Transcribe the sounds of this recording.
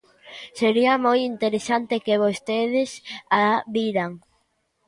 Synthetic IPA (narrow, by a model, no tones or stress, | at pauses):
seɾiamojint̪eɾesant̪ekeβost̪eð̞ɪsaβiɾaŋ